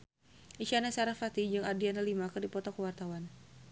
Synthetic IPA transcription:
ʔiʃanasaɾafat̪id͡ʒɨŋadianəlimakɨrdipɔt̪ɔkəwart̪awan

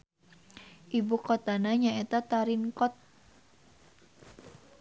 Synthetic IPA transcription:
ʔibukɔt̪anaɲaet̪at̪aɾiŋkɔt̪̚

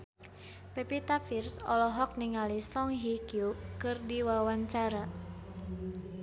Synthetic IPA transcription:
pɛpit̪afirsɔ̰lɔɦɔk̚niŋalisɔŋɦikjukɨrdiwawaɲt͡ʃaɾa

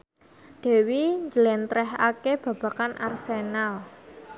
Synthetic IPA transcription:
d̪̥ɛ̤wiɲd͡ʒəlɛnt̪ɾɛɦakeb̥ä̤b̥a̤kanʔa̰rsenal

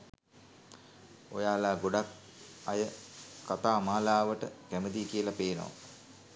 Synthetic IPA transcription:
ojaːlaːɡoɖak̚ | ajəkːat̪aːmaːlaːʋəʈəkæməd̪iːkijəlapeːno̰ʋa̰

